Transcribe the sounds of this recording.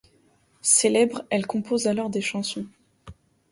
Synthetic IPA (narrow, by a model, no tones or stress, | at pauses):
selɛbʁɛlkɔ̃pozalɔʁd̪eʃɑ̃sɔ̃